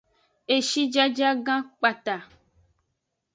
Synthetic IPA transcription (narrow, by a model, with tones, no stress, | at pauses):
e˨ʃi˦d͡ʒa˦d͡ʒa˦ɡã˦k͡pa˨t̪a˨